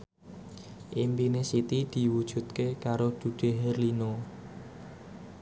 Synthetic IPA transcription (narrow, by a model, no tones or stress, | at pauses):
ʔimpinesit̪id̪̥i̤wud̥ʒ̥ṳt̪kekaɾod̪̥ṳɖ̥e̤ɦɛrlino